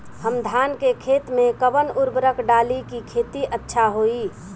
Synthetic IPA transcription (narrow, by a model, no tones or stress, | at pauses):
həmd̪ʱaːnkekʰeːt̪mẽkəbənʊɾbəɾəkɖaːlikikʰeːt̪iʔətːʃʰaɦoi